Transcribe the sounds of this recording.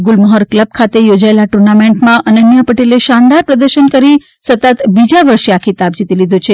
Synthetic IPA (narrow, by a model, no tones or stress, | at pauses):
ɡulməɦəɾkləb̚kʰat̪ejod͡ʒaelaʈuɾnameɳʈmãʔənənjəpəʈeleʃand̪aɾpɾəd̪əɾʃənkəɾi | sət̪ət̪bid͡ʒaʋəɾʃeakʰit̪ab̚d͡ʒit̪ilid̪ʱot͡ʃʰe